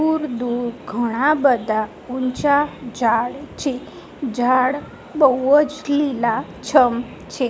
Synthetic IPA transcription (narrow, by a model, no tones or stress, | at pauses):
uɾd̪uɾɡʱəɽ̃abəd̪ʱa | uɲt͡ʃad͡ʒʱaɽt͡ʃʰe | d͡ʒaɽ | bəwət͡ʃlila | t͡ʃʰəm | t͡ʃʰe